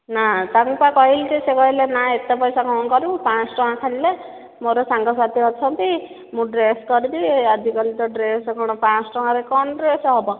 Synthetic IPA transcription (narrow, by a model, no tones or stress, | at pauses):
nat̪aŋpakɔɦild͡ʒisekɔɦilenaet̪ɔpɔjsakɔwkɔɾupãsʈɔɦãkʰaɽile | moɾɔsaŋɡɔsat̪ʰiɔt͡ʃʰɔnt̪i | mũɖɾeskɔɾid̪iad͡ʒikɔlit̪ɔɖɾesɔkɔɽ̃ɔpãsʈɔɦãɾekɔnɖɾesɔɦɔbɔ